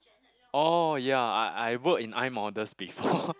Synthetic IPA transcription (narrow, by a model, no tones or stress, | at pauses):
ʔojaa̰ʔajwəkĩnãj̃mɔdəsbifɔ